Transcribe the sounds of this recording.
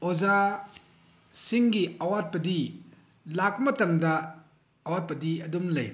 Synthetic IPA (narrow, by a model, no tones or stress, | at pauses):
oza | siŋɡiɐwat̚pɐdi | lakmɐtɐmdɐː | wat̚pɐdiɐdumlɐj